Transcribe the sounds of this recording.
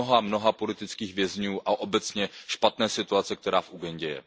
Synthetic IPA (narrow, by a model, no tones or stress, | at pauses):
oɦamno̞ɦapo̞lɪt̪ɪt͡skiːɣvjɛzɲuːʔaʔo̞bɛt͡sɲɛʃpat̪nɛːsɪt̪uat͡sɛk̚t̪ɛɾaːfʔuɡɛɲɟɛjɛ̰